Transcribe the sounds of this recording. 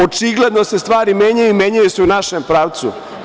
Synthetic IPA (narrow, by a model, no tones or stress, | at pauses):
ot͡ʃiɡle̞d̪no̞se̞st̪ʋaːɾimeɲajuimeɲajuseunaʃempɾaːʋt̪sṵ